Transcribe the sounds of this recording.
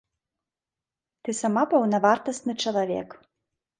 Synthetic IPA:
t̪ɨsamapɐwnɐvart̪ɐst̪nɨt͡ʂɐlˠavʲɛ̰k

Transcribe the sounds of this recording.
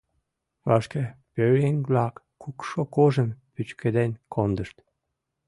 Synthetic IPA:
vɑʃkəpøeŋblɑkː | ukʃokoʒəmpyt͡ɕkʰəd̪enkʰond̪əʃt̪

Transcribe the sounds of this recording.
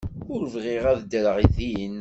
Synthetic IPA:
ʊɾvʁɪʁæðd̪əɾəʁiðijənː

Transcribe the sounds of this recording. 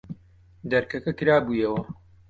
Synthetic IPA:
d̪ɐɾkɐkɐkɨɾaːbuːjɐwɐ

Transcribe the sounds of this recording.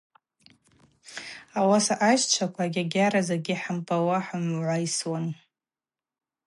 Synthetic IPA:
awasaʔaʃt͡ʃʷʰakʷʰaɡʲaɡʲaɾazerɡʲɪħampʼawaħamʕʷaiswan

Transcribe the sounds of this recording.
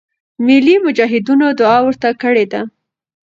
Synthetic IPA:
mɪlimʊd͡ʒɑɦɪd̪unod̪ʊɑwəɾt̪akəɽed̪a

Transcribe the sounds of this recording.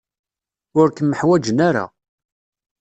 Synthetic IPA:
ʊɾkəmːəħwæd͡ʒənaɾa̰

